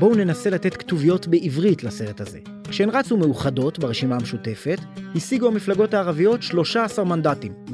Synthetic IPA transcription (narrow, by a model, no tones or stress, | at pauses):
bo̞une̞nase̞late̞t̪ktuvijo̞tbe̞ʔivʁitlase̞ʁe̞thaze̞̰ | kʃeenʁat͡sume̞uχado̞tbaʁeʃimaameʃute̞fe̞thisiɡuamiflaɡo̞thaːʁavijo̞tʃlo̞ʃaːsaʁmandatim